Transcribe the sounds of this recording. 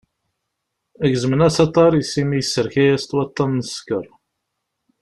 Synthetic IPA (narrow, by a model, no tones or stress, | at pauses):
æɡzəmənæsɑt̪ˤːɑɾˤisimijəsːəɾçæjæst̪wɑt̪ˤːɑnːəskə̰ɾˤ